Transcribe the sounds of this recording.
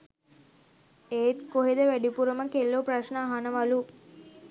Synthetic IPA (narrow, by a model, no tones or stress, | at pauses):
eːt̪koɦed̪əʋæɖipuɾəməkelːopraʃnəaɦanəʋalu